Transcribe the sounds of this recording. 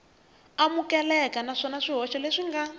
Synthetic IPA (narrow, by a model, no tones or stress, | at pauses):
amukɛlɛkanaʂɔnaʂiɦɔʃɔleʂiŋɡa